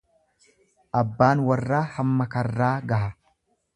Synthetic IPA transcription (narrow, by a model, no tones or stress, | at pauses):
ʔɐbːaːnwɐrːaːhɐmːɐkɐrːaːɡɐɦɐ